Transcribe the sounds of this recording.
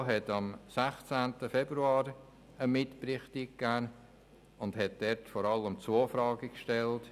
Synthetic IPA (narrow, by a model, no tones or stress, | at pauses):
ɦɛtɑmsæχt͡sæntəfɛbɾuɑːɾ | əmɪtpɾɪχtikkːæː | ʊndhɛt̚d̥ɛɾtfɔɾɑlːəmt͡soːfɾɑːɡikʃtɛlt